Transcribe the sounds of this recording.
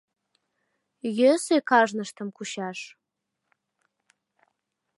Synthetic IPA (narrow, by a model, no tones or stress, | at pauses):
jøsekɑʒnəʃt̪ə̆mkuɕɑʃ